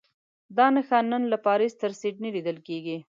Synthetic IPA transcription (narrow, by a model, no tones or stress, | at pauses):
d̪ɑnəxɑnːənlapɑɾist̪əɾseʈ̚nilid̪əlkeɡi